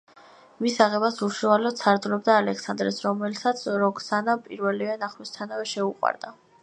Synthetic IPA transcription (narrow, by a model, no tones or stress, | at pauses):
misaʁɛbasuʃualɔt̪t̪sʰaɾt̪lɛb̚d̪aːlɛksand̪ɾɛsɾɔmɛlsat̪sʰɾɔɡsanapʼiɾvɛlivɛnaχwist̪ʰanavɛʃɛuqʼwa̰ɾd̪a